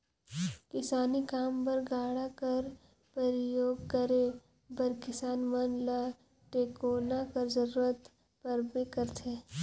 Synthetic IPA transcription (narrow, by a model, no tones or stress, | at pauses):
kɪsaːnikaːmpɐɾɡaːɽakɐɾ | pɐɾɪjoːɡ̚kəɾe | bɐɾkɪsaːnmənla | ʈeːkoːnakɐɾzɐɾuːɾət̪ | pɐɾbekɐɾt̪ʰeː